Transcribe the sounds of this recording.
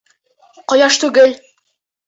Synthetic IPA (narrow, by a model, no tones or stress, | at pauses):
qɒjɑʃt̪ʉɡɘl